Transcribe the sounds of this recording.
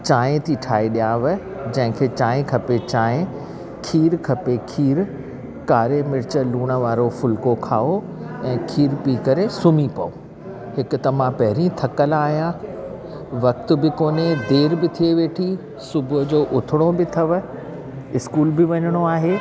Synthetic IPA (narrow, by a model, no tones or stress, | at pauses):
t͡ɕãːẽt̪ʰiʈʰaːiɗijãːʋə | d͡ʑɐ̃ɦɪ̃kʰeːt͡ɕãːẽkʰɐpet͡ɕãːɪ̃ẽ | kʰiːɾkʰɐpekʰiːɾ | kaːɾemɪɾɪt͡ɕə̆luːɽ̃ə̆ʋaːɾofʊlkokʰaːo | ɛ̃ːkʰiːɾpiːkɐɾesʊmipɐo | hɪkʊ̆t̪ɐmãpɐɦɪɾĩt̪ʰɐkəlaːɦijã | ʋɐk̚t̪ʊ̆bɪkoːned̪eːɾbɪt̪ʰieʋeːʈʰi | sʊbʱʊɦd͡ʑoːʔʊt̪ʰɪɽ̃obɪt̪ʰɐʋ̆ | ɪskuːlbɪʋɐɲəɽ̃oaːɦeː